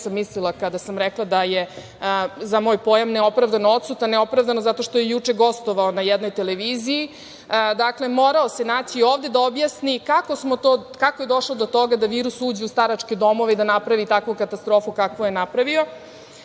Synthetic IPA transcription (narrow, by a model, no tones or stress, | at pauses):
samːislilˠakad̪asamɾeklˠad̪aje | zamo̞ːjpo̞ːjamneo̞pɾavd̪anoo̞t̪sut̪aneo̞pɾavd̪anozat̪o̞ʃt̪o̞jejut͡ʂeɡo̞st̪o̞ʋaonajɛd̪no̞jt̪eleʋiːziji | d̪akle̞mo̞ɾaose̞nat͡ɕioːvd̪e̞d̪aobjaːsnikako̞smot̪oːkako̞jed̪o̞ʂlod̪o̞t̪o̞ɡad̪aʋiːɾusuːd͡ʑeust̪aɾat͡ʃked̪o̞mo̞ʋeid̪anapɾaʋit̪akʋukat̪ast̪ɾo̞ːfukakʋojenapɾaʋio̞